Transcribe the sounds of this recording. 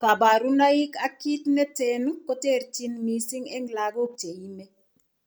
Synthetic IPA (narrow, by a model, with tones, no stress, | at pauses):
ka˨ba˨ɾu˦na˦i˦ka˦ki˦tnɛ˦tɛ˦nko˦te˦ɾt͡ʃi˦nmi˦sɪ˦ŋɛ˦ŋla˨ɡo˦k̚t͡ʃe˨ji˦me˦